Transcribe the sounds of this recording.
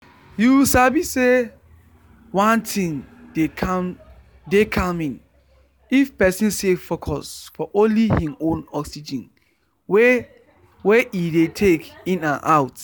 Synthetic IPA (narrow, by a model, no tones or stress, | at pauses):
juwsabise | wãntʰĩŋdekʰam | dekʰãmĩn | ifpɛsĩnsefokʰɔsfɔʔõnlihĩmõnɔksid͡ʒĩn | w | weidetʰekĩnãnʔaʊt